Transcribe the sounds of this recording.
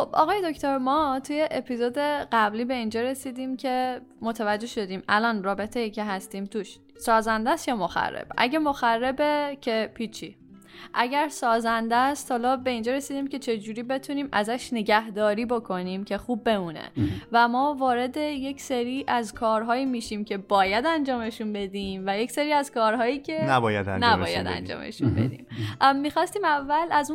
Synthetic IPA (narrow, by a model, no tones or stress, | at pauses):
xob̥ɒ̰ɣɒːje̞d̪ocʰt̪ʰoɾmɒːt̪ʰuje̞ʔepʰizoːd̪e̞ɢæbliːbe̞ind͡ʒɒːɾe̞siːd̪iːmcʰe̞mot̪ʰævæd͡ʒːe̞ʃo̞d̪iːmælɒːnrɒːbe̞t̪ʰejicʰe̞ɦæst̪iːmt̪ʰuːʃ | sɒːzænd̪æst̪jɒːmo̞xæ̰rːḛb̥ʔæ̰ɟe̞mo̞xærːe̞becʰe̞pʰiːt͡ʃʰi | ʔæɟæɾsɒːzænd̪æst̪hɒːlɒːbe̞iːnd͡ʒɒɾe̞siːd̪iːmcʰe̞t͡ʃʰe̞d͡ʒuːɾiːbe̞t̪ʰuniːmæzæʃne̞ɟæhd̪ɒːɾiːbo̞kʰo̞niːmcʰe̞xuːb̚ːe̞muːnḛvæmɒːvɒːɾe̞d̪e̞je̞cse̞ɾiːʔæzkʰɒːɾɦɒːjiːmiːʃiːmcʰe̞bɒːjæd̪ænd͡ʒɒːme̞ʃunbe̞d̪iːmvæje̞cseɾiːæzkɒːɾhɒːjiːcʰe̞næbɒjæ̰d̪æ̰nnæbɒːjæ̰d̪æ̰nd͡ʒɒ̰ːmḛʃṵnbḛd̪ḭːmmːiːxɒːst̪iːmævːælæzu